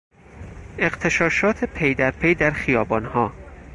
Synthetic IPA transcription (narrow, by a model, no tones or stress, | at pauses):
e̞ɢt̪ʰe̞ʃɒːʃɒːt̪ʰepʰejd̪æɾpʰejd̪æɾxijɒːbɒːnhɒː